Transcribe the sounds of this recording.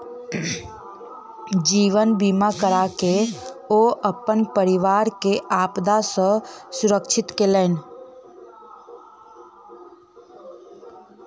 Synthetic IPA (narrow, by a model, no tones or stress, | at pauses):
d͡ʒiːʋənbiːmakəɾakeoːʔəpənpəɾɪʋaːɾkeʔaːpd̪asə̃sʊɾəkʃʰɪt̪kelən